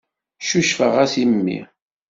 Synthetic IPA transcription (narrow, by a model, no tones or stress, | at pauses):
ʃuʃfəʁæsimmːḭ